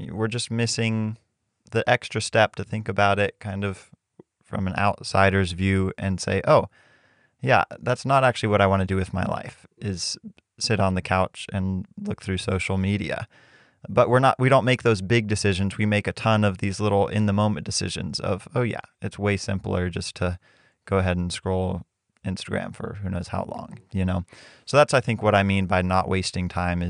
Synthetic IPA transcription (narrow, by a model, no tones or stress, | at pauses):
wɪɹd͡ʒʌst̚mɪsɪ̃ŋ | ðiʔɛkstɹ̥ɨstɛp̚tʰɨθɪ̃ŋkɨbaʊɾɪt̚kʰãɪ̃ndʌv̥ | fɹʌ̰̃mɨ̃na̰ʊtsa̰ɪɾə˞zvjʉɨ̃nsḛɪʔoʊ | jæ̰ðætsnəɾæk̚t͡ʃʉl̩ˠiwʌɾaɪwɑ̃ñɨdɨwɨðmaɪla̰ɪf | ɪz̥ | sɪɾn̩ðɨkʰaʊt͡ʃɨ̃nlʊk̚θɹʉsoʊʃl̩ˠmiɾḭɨ̰ | b̥ʌʔ̚wəɹnə̰ʔwiɾõʊ̃nʔmeɪk̚ðoʊzbɪɡ̚dɨsɪʒɨ̃nzwimeɪkɨtʰʌ̃nʌvðizlɪɾl̩ˠɪ̰̃nðəmõʊ̃mɨ̃nd̥ɨsɪ̰ʒɨ̰̃nzʌ̰v̥oʊjæ̰ɨtsweɪsɪ̰̃mpl̩ˠə˞d͡ʒʌstʰɨ | ɡ̥oʊəɦɛɾn̩skɹoʊlˠ | ɪ̃nstɨɡɹæ̰̃ɱfə̰˞hʉnoʊz̥ha̰ʊlɔ̰̃ŋjɨnoʊsoʊðætsaɪθɪ̃ŋkwʌɾaɪmĩnbaɪnəʔwʔḛɪstɪ̃ŋtʰãɪ̃mɨ